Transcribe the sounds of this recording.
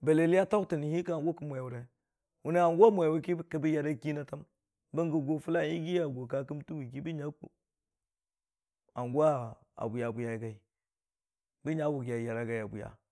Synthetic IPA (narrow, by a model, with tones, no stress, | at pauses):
be˨le˨li˦ja˦ta˦kti˨ni˨hi˦ka˦a˨ŋɡo˦ki˦mʷ˨e˨wu˨ɾe˨ | wu˨˦ni˦a˨ŋɡʷa˦mʷ˨a˨wu˦ki˦kə˨bi˦ja˨da˦ki˦na˦ta˦m | bə˦ŋɡə˨ɡo˨fu˦la˦˨˦i˦ɡi˦ja˨ɡo˨ka˦ki˦mti˦wi˨ki˦bi˦ɲa˦ṵ˨ | a˨ŋɡu˦a˦ | a̰˨bu˨ja˨bu˨ja˨i˨ɡa˨i˨ | bi˦ɲa˦wu˨ɡa˨ja˨ɾa˦ɡa˨ja˨bṵ˨ja̰˨